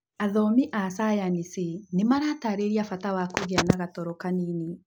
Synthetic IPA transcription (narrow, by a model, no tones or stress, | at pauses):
aðɔmiʔasajanisenemaɾataɾeɾiafatawakoɣeanaɣatɔɾɔkanini